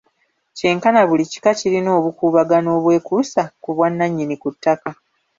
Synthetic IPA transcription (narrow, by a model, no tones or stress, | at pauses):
ce̞ːŋkanaβulici̥kaciɾino̞ːβukuːβaɡano̞ːβwe̞ːkusakuβwanːaɲːinikutːaka